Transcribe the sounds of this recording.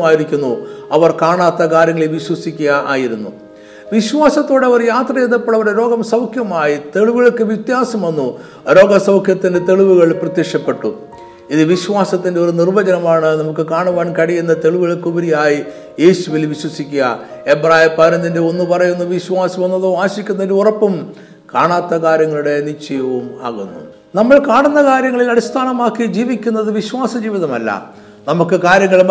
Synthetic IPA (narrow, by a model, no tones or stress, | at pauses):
maːjiɾikʲːunːuɐʋɐrkaːɳaːt̪ːɐkaːɾjɐŋːɐɭeʋiɕwɐsikʲːuɣɐʔa̰ːjiɾunːṵ | ʋiɕwaːsɐt̪ːo̞ːɽeɐʋɐrjaːt̪rɐjeðɐpːoɭːɐʋɐɾeɾo̞ːɡɐmsɐwkʰjɐmaːjit̪e̞ɭuʋɨɣɐɭkːɨʋit̪jaːsɐmʋɐnːu | ɾo̞ːɡɐsɐwkʰjɐt̪ːinde̞t̪e̞ɭuʋuɣɐɭprɐt̪jekʂɐpːe̞ʈːṵ | iðɨʋiɕʋaːsɐt̪ːindeornirbɐd͡ʑɐnɐmaːɳɨnɐmukːɨkaːɳuʋaːɳkɐɽijenːɐt̪e̞ɭuʋɨɣɐɭkubɐɾijaːji | je̞ːɕuʋilʋiɕwɐsikʲːuɐ̰ | ebraːjipɐɾɐnːinde̞o̞nːupɐrɐjunːɐʋiɕwaːsɐmɐnːɐðɨaːɕikʲːunːɐndɨurɐpːum | kaːɳaːt̪ːɐkaːɾjɐŋːɐɭuɽe̞nit͡ɕːɐjɐʋuma̰ːɣunːṵ | nɐmːɐɭkaːɳunːɐkaːɾjɐŋːɐɭilɐɽist̪ʰaːnɐmaːkːid͡ʑiːʋikʲːunːɐðɨʋiɕwaːsɐd͡ʑiːʋiðɐmɐlːɐ̰ | nɐmukːɨkaːɾjɐŋːɐɭm